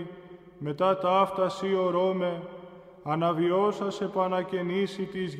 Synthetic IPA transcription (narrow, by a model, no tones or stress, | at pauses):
me̞t̪ɐt̪ɐft̪ɐsio̞ɾo̞me̞ | ɐnɐvio̞sɐse̞pɐnɐce̞nisit̪iz